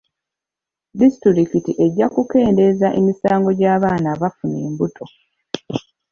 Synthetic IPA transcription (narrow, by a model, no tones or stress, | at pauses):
disitɾiɾikitiʔe̞ɟːakuke̞ːnde̞zaʔe̞misaːŋɡo̞ɟaːβaːnaːβafuneːmbutʰo̞